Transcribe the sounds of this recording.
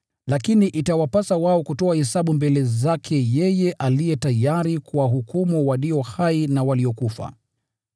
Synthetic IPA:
lakiniʔitawapasawaɔkutɔahɛsaɓumbɛlɛzakʰɛjɛjɛʔalijɛtajaɾikuaɦukumuwaliɔhainawaliɔkufa̰

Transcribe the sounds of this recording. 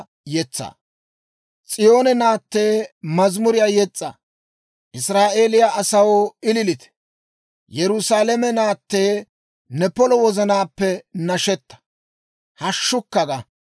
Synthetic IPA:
jɛt͡sːa̰ː | t͡sʼɪjo̞ːnɛnaːt̪ːe̞ːmɐzmʊɾɪjaːjɛt͡sʼːa̰ | ʔɪsɾaːʔe̞ːlɪjaʔɐsɐwɪlɪlɪt̪ɛ̥ | jɛɾʊsaːlɛmɛnaːt̪ːeː | nɛpɔlɔwɔzɐnaːpːɛnɐʃɛt̪ːɐ̥ | hɐʃːʊkːɐɡɐ

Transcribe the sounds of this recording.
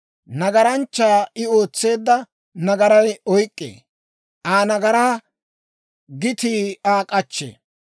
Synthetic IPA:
nɐɡɐɾɐnt͡ʃːaːɪo̞ːt͡sːe̞ːd̪ːɐ | nɐɡɐɾɐjɔjkʼːḛː | ʔaːnɐɡɐɾaː | ɡɪt̪iːaːkʼɐt͡ʃːḛ

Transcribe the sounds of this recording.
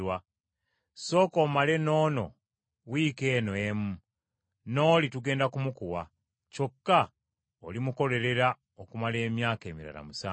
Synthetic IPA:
wa | so̞ːkomale̞no̞ːno̞̰ | wike̞ːnoemu | no̞ːlituɡe̞ːndakumukuwa | co̞kːa | olimuko̞le̞ɾe̞ɾa | okumale̞ːmjaːke̞ːmiɾa̰la̰musaː

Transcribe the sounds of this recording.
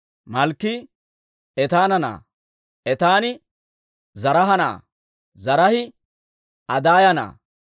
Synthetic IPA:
mɐlkːɪ | ɛt̪aːnɐna̰ː | ʔɛt̪aːnɪ | zɐɾɐɦɐna̰ː | zɐɾɐhɪ | ɐd̪aːjɐna̰ː

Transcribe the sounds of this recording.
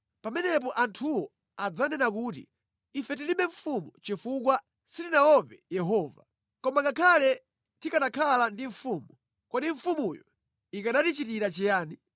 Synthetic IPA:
pamɛnɛp̬ɔʔantʰuwɔ | ad͡zanɛnak̬ut̬ḭ | ifɛt̬iliɓɛɱfumut͡ʃifuk̬wa | sitinawɔpɛjɛɦɔːva̰ | kɔmakakʰalɛ | tikaɗakʰalandiɱ̩fuːmu | kɔɗiɱ̩fumujɔ | ikaɗatit͡ʃitiɾat͡ʃɛjaːni

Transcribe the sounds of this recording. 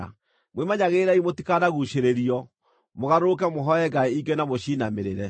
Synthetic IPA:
a̰ | mwemaɲaɣeɾaimotikanaɣuʃeɾeɾiɔ | moɣaɾokɛmoɦɔɛɡaeiɡenamoʃinameɾeɾɛ

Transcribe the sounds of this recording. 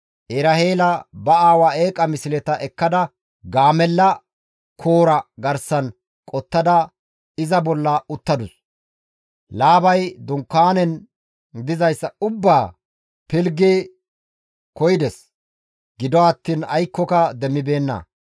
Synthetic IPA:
ʔeɾɐheːlɐbɐaːwaeːkʼːɐmɪsɪlɛt̪ɐʔɛkːɐd̪ɐ | ɡaːmɛlːɐ | kʰoːɾɐɡɐɾsɐn | kʼɔt̪ːɐd̪ɐ | ɪzɐbɔlːɐʊt̪ːɐd̪ʊs | laːbɐjd̪ʊŋkːaːnɛn | d̪ɪzɐjsːɐʊbːaː | pɪlɡeː | kɔjd̪ɛs | ɡ̥ɪd̪ɔɐt̪ːiːnɐjkːɔkɐd̪ɛmːɪbe̞ːnːɐ̰

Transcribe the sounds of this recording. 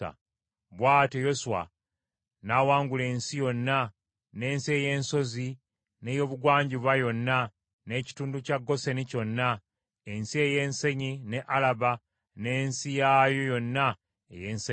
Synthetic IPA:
a̰ | βwaːtejo̞suwa̰ | naːwaːŋɡule̞ːnsijo̞nːa | ne̞ːnsie̞je̞ːnso̞zi | ne̞jo̞βuɡwaːɲɟiβwajo̞nːa | ne̞ci̥tuːnducaɡːo̞se̞nico̞nːa | ensie̞je̞ːnse̞ɲine̞ʔalaβa | ne̞ːnsijajojo̞nːa | ḛjeːnse

